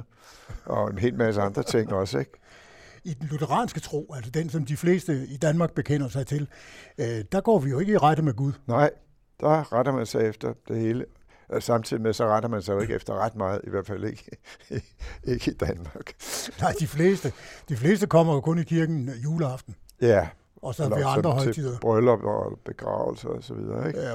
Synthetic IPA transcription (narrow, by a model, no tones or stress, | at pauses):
ɒ̽enɦe̝̰ːlmæsəɑ̈nd̥ʁɐt͡sʰe̝ŋ̰ɒ̽səeɡ̥̚ | id̥enlut͡sʰəʁɑ̰̈ːnsɡ̥ət͡sʰʁo̝̰ːælsɐd̥ensɒ̽md̥ifle̝̰ːsd̥əid̥ænmɑ̈ːɡ̥̚b̥e̝kʰen̰ɐsɑ̈ɪt͡sʰe̝l | d̥ɑ̈ɡ̥ɒ̰ːʋijo̝e̝ɡ̥əiʁad̥əmeɡ̥uð̞ˠnɑ̈ɪ̰ | d̥ɑʁaɾ̥ɐmænsɑ̈ɪefd̥ɐd̥e̝he̝ːlə | sɑ̈mt͡sʰið̰ˠimesɒ̽ʁad̥ɐmænsɑɪjoe̝ɡ̥əefd̥ɐʁɑd̥̚mɑ̈ːð̞̩ˠiʋæɐ̰d̥fæl̰e̝ɡ̥ə | e̝ɡ̥əid̥ænmɑ̈ɡ̥nɑ̈ɪ̰d̥ifle̝̰ːsd̥əd̥ifle̝̰ːsd̥əkʰɒ̽m̰ɐjo̝kʰɔ̽nikʰiɐɡ̥n̩juːləɑ̈fd̥n̩jæ | ɒ̽sɒɑʋiɑ̈nd̥ʁɐɦɒɪt͡sʰið̰ˠɐb̥ʁœlbb̥e̝ɡ̥ʁɑ̰̈ːʊl̩sɐɒsɒʋḭðˠɐeɡ